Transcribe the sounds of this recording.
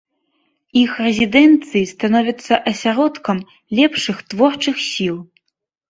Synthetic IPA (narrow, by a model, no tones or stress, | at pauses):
ixrɛzʲid̪ɛnt̪sɨjist̪anɔvʲɐt̪sːɐʔɐsʲaɾɔt̪kɐm | lʲɛpʂɨxt̪vɔrt͡ʂɨxsʲilˠ